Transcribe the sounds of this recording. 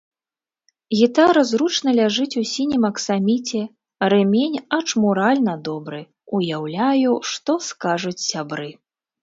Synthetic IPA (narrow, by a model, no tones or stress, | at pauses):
ɣʲit̪aɾɐzɾut͡ʂnɐlʲaʐɨt͡sʲusʲinʲimɐksamʲit͡sʲɛ | ɾɨmʲenʲɐt͡ʂmuɾalʲnɐd̪ɔbɾɨ | ujawlʲajuʂt̪ɔskaʐut͡sʲsʲabɾɨ